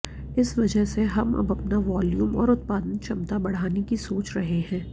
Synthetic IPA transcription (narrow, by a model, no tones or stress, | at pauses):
ɪsʋɐd͡ʒəɦseɦɐmɐ̰bɐpnaʋaːljuːmɔ̰ːɾʊt̪̚paːd̪ənt͡ʃʰɐmt̪abɐɽ̤aːnekisoːt͡ʃɾɐɦeɦɛ̃ː